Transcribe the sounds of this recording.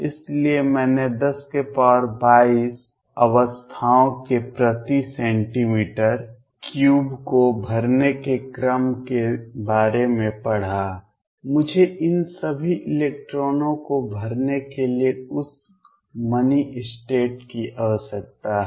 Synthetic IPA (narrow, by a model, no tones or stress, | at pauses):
ɪsliemɛːned̪ɐskepɔːɾbaːiːs | ɐ̰ʋəst̪ʰaːõkepɾət̪isɛ̃ːɳʈimiːʈəɾ | kjuːbkobʱɐɾnekekɾəmkebaːɾemẽpɐɽ̤a | mʊd͡ʒʱeʔɪnsəbʱiʔɪleːk̚ʈɾoːnõkobʱɐɾnekelieʊs | mɐniʔɪsʈeːʈkiʔɐʋəsək̚t̪aɦ